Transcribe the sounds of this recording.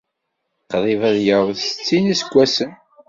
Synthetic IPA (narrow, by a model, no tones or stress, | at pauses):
qðˤivæðjəɾðsə̥t͡sːinisəɡʷːæsən